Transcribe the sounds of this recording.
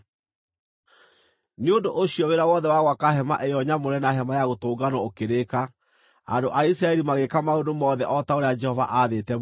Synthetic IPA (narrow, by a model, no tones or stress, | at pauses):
neondoʔoɕiɔweɾawɔðɛwaɣwakahɛmaʔɛjɔɲamoɾɛnaɦɛmajaɣotoːɡanɔokeɾeka | a̰ndoʔaisɾaɛɾimaɣekamaodomɔːðɛʔɔtaoɾead͡ʒɛhɔva̰ʔaðetɛ